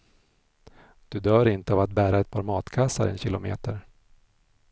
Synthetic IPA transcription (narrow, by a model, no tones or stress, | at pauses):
d̪̥ɵd̪œːɾɪnt̪əavat̪̚bæːɾaɛt̪̚pʰɑːɾmɑːt̪kʰasːa̰ɾɛ̰nɕɪlʊmḛːt̪əɾ